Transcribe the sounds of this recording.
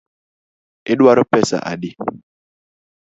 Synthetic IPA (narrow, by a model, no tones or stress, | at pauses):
ɪɗwaɾɔpɛsa̰ʔa̰dɪ